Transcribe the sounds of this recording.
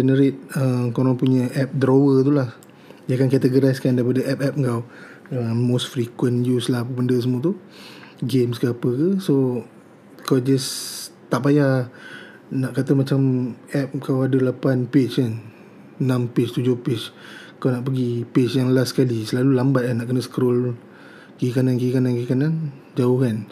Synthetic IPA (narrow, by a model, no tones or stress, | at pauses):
d͡ʒɛnəɾet̪̚əmkoɾaŋpuɲəʔɛp̚dɾowət̪̬ulah | jakankɛt̪əɡəɾajskandaɾip̬adəʔɛp̚ɛp̚ŋkaw | əːosfɾikwənjuslahpəbəndəsəmũat̪u | ɡemskəapəkəso | kawd͡ʒast̪aʔpaja | naʔkat̪əmat͡ʃamɛp̚kawadəlapanpet͡ʃkan | nãmpet͡ʃt̪ud͡ʒohpet͡ʃ | kawnaʔpəɡipet͡ʃjaŋəlasːə̥kalisəlalulambat̪̚anaʔkənəsə̥kɾol | kikanankikanãnkikanan | d͡ʒaohkan